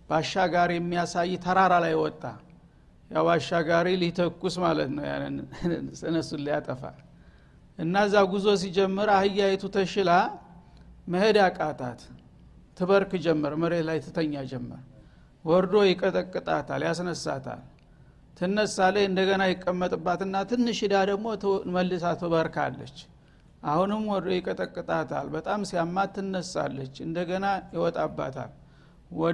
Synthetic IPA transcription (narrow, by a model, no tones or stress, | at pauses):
b̥aʃːaɡaɾijɛmːijasajːt̪ʰəɾaɾalajwɔt̪ʼːa̰ | jawaʃːaɡaɾilit̪ʰəkːusmalət̪nəwja̰nːɨ̰nsɨnəsunlijat̪ʼəfa̰ | ʔɨnːaəzːaɡuzo̞s̬id͡ʒɛmːɨɾahɨjːajɛt̪ʰut̪ʰəʃɪla | məhed̪jakʼat̪ʰa̰t̪ʰː | ɨβəɾkɨd͡ʒɛmːɨɾmɨɾe̞t̪lajt̪ʰːɨt̪ʰəɲːad͡ʒɛmːə̰ɾ | wɔɾd̪o̞jɪkʼət̪ʼəkʼːɨt̪ʼat̪ʰaljasnəsːa̰t̪ʰa̰l | t̪ʰɨnːəsaləjɨnd̪əɡənajɪkʼːəmːət̪ʼɨbːat̪ɨnːat̪ʰɨnːɨʃɪd̪ad̪əɡmo̞məlːɨsat̪ʰɨβəɾka̰lːə̰t͡ʃː | ʔahunɨmwɔɾd̪o̞jɪkʼət̪ʼəkʼːɨt̪ʼat̪ʰa̰lbət̪ʼamsijamːat̪ʰːɨnːəsːa̰lːət͡ʃːɨnd̪əɡənajɪwɔt̪ʼabːa̰t̪ʰa̰l | wɔ